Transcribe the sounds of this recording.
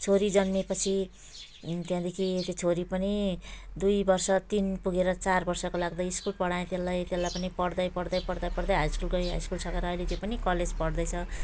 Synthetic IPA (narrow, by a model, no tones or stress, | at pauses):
t͡sʰoɾid͡zʌnmepʌt͡sʰi | t̪jãd̪ekʰiet̪et͡sʰoɾipʌnid̪ujbʌrsʌt̪inpuɡeɾʌt͡sarbʌrsʌkolaɡd̪aiskulpʌɽaẽt̪jelːajt̪elːajpʌnipʌɽd̪ʌjpʌɽd̪ʌjpʌɽd̪ʌjpʌɽd̪ʌjɦajskulɡʌiɦa̰jskulsʌkeɾʌːjlet̪jopʌnikʌled͡zpʌɽd̪ʌjt͡sʰʌ